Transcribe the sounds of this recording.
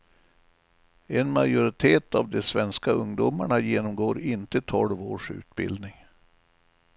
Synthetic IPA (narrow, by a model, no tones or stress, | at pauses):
ɛnmajʊɾɪt̪ʰeːt̪avd̪ɛsvɛnskaɵŋd̪umaɳajeːnɔmɡoːɾɪnt̪ət̪ʰɔlvoːʂʉ̟ːt̪bɪ̰ld̪nɪŋ